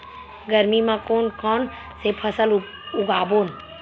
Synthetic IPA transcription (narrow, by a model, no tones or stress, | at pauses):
ɡəɾmimãkoːnkʰɔːn | sepʰəsəl | ʊɡaːboːn